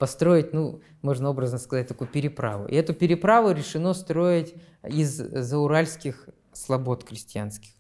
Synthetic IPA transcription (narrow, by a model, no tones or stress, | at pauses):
pɐst̪ɾo̞jɪtʲnu | mo̞ʐnəo̞bɾəznəskɐzat̚ʲt̪ɐkujʊpʲɪɾʲɪpɾa̰vʊ̰ʔɪ̰ɛt̪ʊpʲɪɾʲɪpɾavʊɾʲɪʂɨno̞st̪ɾo̞ɪtʲ | izːəʊɾalʲskʲɪx | slˠɐbo̞t̪kɾʲɪsʲtʲɪa̰nskʲɪ̥x